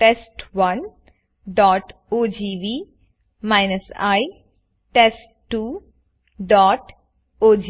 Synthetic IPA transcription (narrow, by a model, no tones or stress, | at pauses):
ʈesʈʋɐn | ɖɔːʈ | oːd͡ʒiːʋiː | maɪnəsa̰ɪ | ʈesʈːuː | ɖɔːʈ | oːd͡ʒ